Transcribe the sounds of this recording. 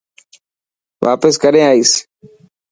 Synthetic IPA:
ʋa̰ːpəskəɾẽːaːiːs

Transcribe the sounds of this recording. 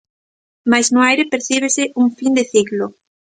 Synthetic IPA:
majznʊajɾɪpeɾθiβesɪʔuŋfind̪eθiɣlo

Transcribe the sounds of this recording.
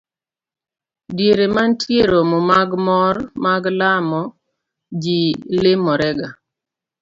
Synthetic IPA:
djeɾemantʰjeɾomɔmaɡmɔrmaɡlamɔ | d͡ʒilemɔɾɛɡa

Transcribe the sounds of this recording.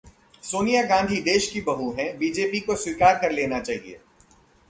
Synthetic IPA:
soːnijaɡãːnd̪ʱid̪eːʃkibɐɦuɦɛ̃biːd͡ʒeːpikoswikaːɾkɐɾleːnat͡ʃaːɦiḛː

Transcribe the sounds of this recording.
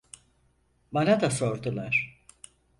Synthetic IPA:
banad̪aso̞ɾd̪ulˠaɾ̥

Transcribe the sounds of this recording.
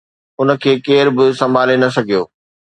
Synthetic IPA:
ʊnə̆kʰeːkeːɾbɪsɐ̃mbʱaːlenɐsɐɡʱijo̰ː

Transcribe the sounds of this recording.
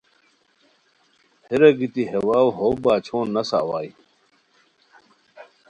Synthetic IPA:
heɾɐɡit̪iɦewaːwɦoːbaːt͡ɕʰoːnːɐsa̰waːi

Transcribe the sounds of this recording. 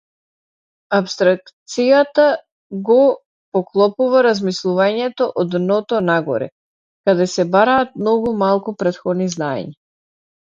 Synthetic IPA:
apst̪ɾak̚t̪sijat̪a | ɡɔ | pɔklˠɔpuvaɾazmislˠuvaɲɛt̪ɔʔɔd̪nɔt̪ɔnaɡɔ̰ɾɛ̰ | kad̪ɛsɛbaɾaːt̪̚mnɔɡumalˠkupɾɛt̪xɔd̪niznaɛ̰ɲa

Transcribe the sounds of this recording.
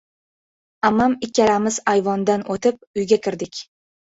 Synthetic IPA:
amamɪkʲːalamɪzajvɒnd̪anʔot̪ʰɪp̚ʊjɡʲakʲɪɾd̪ɪkʲ

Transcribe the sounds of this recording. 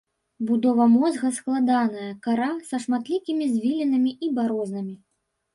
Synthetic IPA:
bud̪ɔvɐmɔzɣɐsklˠad̪anɐjɐkaɾasɐʂmat̪lʲikʲimʲizʲvʲilʲinɐmʲiʔibaɾɔznɐmʲi

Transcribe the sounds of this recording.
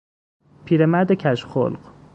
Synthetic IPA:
pʰiːɾemæɾd̪ecʲʰæʃxo̰lɢ

